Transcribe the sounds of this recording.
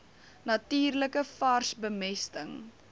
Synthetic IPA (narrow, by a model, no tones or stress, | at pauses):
nɐtiːrləkəfɐrsbəmɛstəŋ